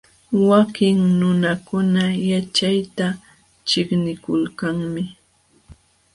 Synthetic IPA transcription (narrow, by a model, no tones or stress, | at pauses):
wakɪŋnʊnakʊnajat͡ʃajt̪a | t͡ʃɪknɪkʊlkaŋmɪ